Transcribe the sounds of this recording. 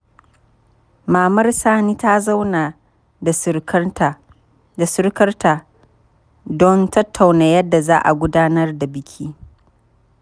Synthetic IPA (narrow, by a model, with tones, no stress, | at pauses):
maː˨mɐ˦rsaː˦niː˦ta˦za˦wna˨ | da˨s | da˨sʊ˦rkɐ˦rtaː˨ | dɔ˦ntɐ˦tʰːa˨wna˨jɐ˦dːa˨zaː˦ʔa̰˨ɡʷʊ˦daː˦nɐ˦rda˨bɪ˦kʲʰiː˦